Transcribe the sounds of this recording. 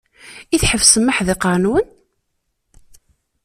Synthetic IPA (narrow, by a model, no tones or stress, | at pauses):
iθħəvsəmːəħðɪqɑnuwən